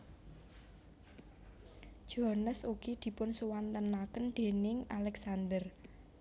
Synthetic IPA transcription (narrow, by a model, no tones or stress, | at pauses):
d͡ʒ̥oɦanəsuɡ̥id̪̥i̤pʊnsuwant̪ənakənɖ̪̥e̤nɪŋalɛksand̪ər